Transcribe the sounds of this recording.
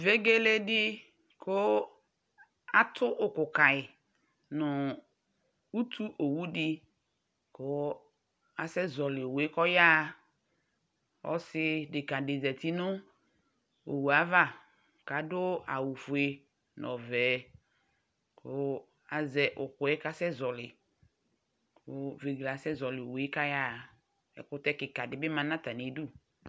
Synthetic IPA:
ve˦ɡe˦le˦dɪ˦ | kʊ˦ | a˦t̪ʰʊ˦ʔʊ˨kʊ˨ka˨ɪ˨ | nʊ˨ | u˦t̪ʰu˦ʔo˨wu˦dɪ˦ | kʊ˦ | a˨sɛ˦zɔ˨lɪ˨we˦kɔ˦ja˦˨ | ɔ̰˦sɪ˦dɪ˨ka˨dɪ˨zɛ˨t̪i˦nʊ̃˦ | o̰˨wu˨a˨˦va˦˨ | ka˨dʊ˦a̰˨wu˨fu˨˦e˨ | nɔ˨vɛ˨ | kʰʊ˦ | a˨zɛ˨ʔʊ˨kʊ˨ɛ˦ka˦sɛ˦zɔ˨lɪ˨ | kʊ˦ve˨ɡla˨sɛ˦zɔ˨lɪ˨we˦ka˦ja˦˨ | ɛ̰˨kʊ˦t̪ɛ˦kɪ˨ka˨dɪ˨˦bɪ˦mã˨nã˦t̪a˨n˨e˨du˦

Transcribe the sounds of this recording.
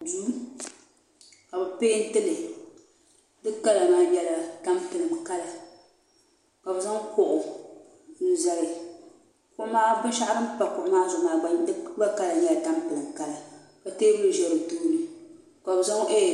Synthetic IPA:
duː˦ | ka˨bɨ˨peː˦n̩˦tɨ˦lɨ˨ | dɨ˦ka˦la˨maː˨ɲɛ˦la˨ta˦mpɨ˨lɨ˨mka˦la˨ | ka˨bɨ˨za˦ŋ˦ko˨ʔʊ˨ | n̩˨za˨lɪ˨ | kʊ˦maː˦bɨ˦n˦ʃa˦ʔa˦ɾɨ˦mpa˨kʊ˨ʔʊ˨maː˦zʊ˨maː˨ɡ͡ba˦ba˦ka˦la˨ɲɛ˦la˨ta˦mpɨ˨lɨ˨mka˦la˨ | ka˨teː˦bɨ˦ɨ˨ʒɛ˨ɾɨ˨duː˦nɨ˨ | ka˨bɨ˨za˦ŋ˦ʔe˦˨

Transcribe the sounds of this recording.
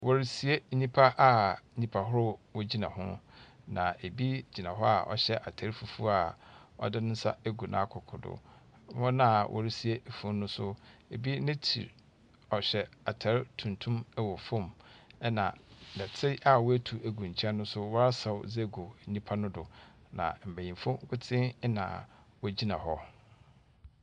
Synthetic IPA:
wɔ˦ɾi˦si˨e˦ɲĩ˦pʰa˦ʔa˨˦ɲĩ˦pʰa˨ɦʊ˦ɾʊ˦wɔ˦d͡ʑi˦nã̰˨ɦʊ̰̃˦ | nã̰˨e˨bi˦d͡ʑi˨nã˨ɦʊ˦a̰˨ʔɔ̰˨ɕɛ˦ʔa˨tʰa˨ɾɪ˦fu˨fu˦a˨ɔ̰˦dɪ˦nʊ̃˦n̩˦sa̰˦e˦ɡu˨nã̰˨˦kʰʊ˨kʰʊ˨dʊ̰˨˦ | ɔ̃˦nã˨wʔɔ̰˨ɾɪ˦si˨e˦˨fũ˨˦nːʊ̃˦sʊ˦e˨bi˦nɪ̃˦tʰḭ˨ɾ | ɔ˨ɕɛ˨a˨tʰa˨ɾɪ˦tʰũ˨ntʰũ˦m˦wɔ˨fʊ̃˦˨mɛ˦nã̰˨dɛ˨tʰɪ˦ʔa˨wɔ˦æ˦tʰu˨æ˨ɡũ˨ɲ̩˨t͡ɕʰɛ˦nʊ̃˦sʊ˦wɔ˦a˦sa˨wd͡zɛ˦˨ɡo˨ɲĩ˦pʰa˦nʊ̃˦dʊ˨ | nã̰˨m̩˨bæ˨jĩ˨m˨fʊ̃˦kʰʊ˦tʰɪ̃˦nã̰˨ | wɔ˦d͡ʑi˦nã̰˨ɦɔ˦

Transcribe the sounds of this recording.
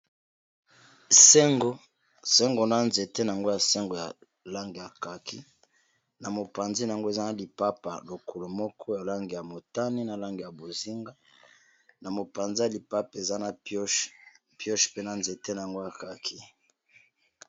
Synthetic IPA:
se˦ŋɡo˦ | se˦ŋɡo˨na˦nze˨te˦na˨a˨ŋɡo˦ja˨se˦ŋɡo˨ja̰˨ | la˦ŋɡi˨ja˨ka˨kʰi˦ | na˨mo˨pa˨nzi˦na˨a˨ŋɡo˦e˨za˦na˦li˨pa˦pa̰˨lo˨ko˨lo˨mɔ˦kʰɔ˦ja˨la˦ŋɡi˨ja˨mo˨ta˦ni˦na˨la˦ŋɡi˨ja˨bo˨zi˦ŋɡa˦ | na˨mo˨pa˨nzi˦a˨li˨pa˦pe˨za˦na˦˨po˦ʃ | pjɔ˦ʃpe˦na˨nze˨te˦na˨a˨ŋɡo˦ja˨ka˨kʰi˦

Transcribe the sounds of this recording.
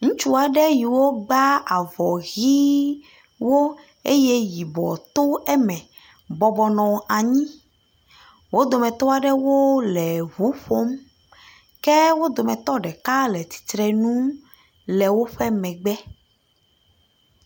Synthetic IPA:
ŋũ˦t͡ʃu˦a˨ɖɛ˦ji˨wo˦ɡ͡ba˦a˨vɔ˨ɣi˦ | wo˦ | e˦je˦ji˨bɔ̰˨t̪o˦ɛ˦mɛ̃˨ | bɔ˨bɔ˨nɔ̃˨a˨ɲĩ˦ | wo˦d̪o˨mɛ̃˨t̪o˦a˨ɖɛ˦wo˦lɛ˨ɦu˨˦ɸo˦m | kɛ˦wo˦d̪o˨mɛ̃˨t̪ɔ˦ɖɛ˨ka˦lɛ˨t̪i̥˨t̪ɾɛ˨nũ˦ | lɛ˨wo˦ɸɛ˦mɛ̃˨ɡ͡bɛ˦

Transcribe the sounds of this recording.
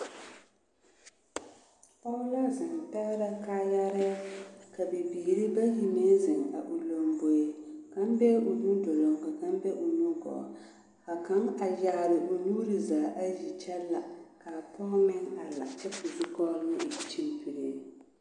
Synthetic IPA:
pɔ˦la˦zɪ˨ŋ˨pɛ˦ɣɾa˦ka˦ja˦ɾɪ˦ka˨bɪ˨biː˨ɾɨ˦ba˦hi˨me˦zɪ˨ŋa̰˨ʔu˨lo˨mbo˨e˦ka˦m˦bɛ˦ʊ˨du˦dɔ˨lo˨mka˨ka˦m˦bɛ˦ʔo˨nuː˦ɡɔ̰˨ | ka˨ka˦ŋa˨ja˨ɾɨ˨ʔo˨nuː˦ɾɨ˨zaː˨ʔa˦ʒi˨t͡ʃɛ˦lːa˨ka˨pɔ˦mɪ˦ŋa˨la̰˨t͡ʃɛ˦pu˨zi˦kɔ˦lnɨ˦ʔt͡ʃi˦npi˨ɾe˦

